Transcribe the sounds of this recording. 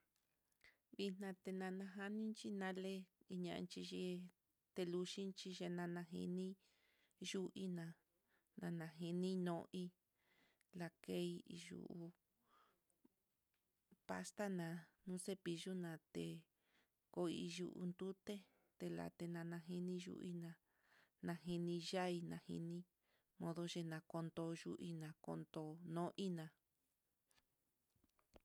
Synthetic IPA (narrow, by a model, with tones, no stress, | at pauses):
βi˧n̥nã˧t̪e˧nã˧nã˧ɦa˦nĩ˦nt͡ʃi˦nã˦le˦i˧ɲã˧ʔnt͡ʃi˧ʒe˧ | t̪e˧lu˧ʃi˦nt͡ʃi˧ʒe˧nã˧nã˧ɦḭ˧nĩ˦ | ʒu˦ʔi˦nã˨˧ | nã˧nã˧ɦi˧nĩ˦nõ˧ʔi˧ | la˧ke˦i˧i˧ʒṵ˧˨u˧ | pa̰˦st̪a˦nã˨˧nũ˦se˦pi˧ʒu˦nã˧t̪e˧ | ko˧˦i˧ʒu˧ʔṵ˧nd̪u˦t̪e˦ | t̪e˧la̰˨t̪e˧nã˧nã˧ɦi˧nĩ˦ʒṵ˧ʔḭ˦nã˧ | nã˧ɦi˧nĩ˧ʒa˦i˧nã˧hḭ˧nĩ˦ | mõ˧ðo˧ʒe˧nã˧ko˧nd̪o˧ʒu˦ʔi˧nã˨˧ko̰˧nd̪o˧nõ˦ʔi˦nã˧